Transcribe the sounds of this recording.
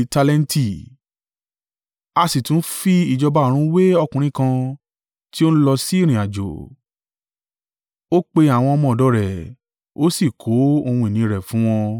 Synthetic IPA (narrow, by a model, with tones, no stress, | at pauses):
ta˧lɛ˧n˦ti˦˨ | a˧si˨tũ˨˦fi˦i˦˨d͡ʒɔ˧ba˧˦˨ɾ̃ũ˦we˦ɔ˧kũ˨ɾ̃ĩ˦kã˧ | ti˦o˦ñ̩˦lɔ˧si˦˨ɾ̃ĩ˨a˨d͡ʒo̰˨ | o˦k͡pe˧a˨w̃ɔ̃˧ɔ˧mɔ̃˧˨dɔ˧ɾɛ˨ | o˦si˦˨kʰo˨˦o˧ũ˧i˨nĩ˨˦˧ɾɛ˨fũ˨˦w̃ɔ̃˧